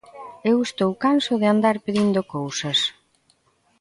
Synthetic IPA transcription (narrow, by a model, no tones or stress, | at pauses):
ewest̪owkansʊðɪand̪aɾpeðind̪okowsɐs